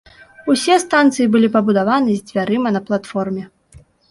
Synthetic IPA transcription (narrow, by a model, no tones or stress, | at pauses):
usʲɛst̪ant̪sɨjibɨlʲipɐbud̪avanɨzʲd͡zʲvʲaɾɨmɐnɐplˠat̪fɔrmʲɛ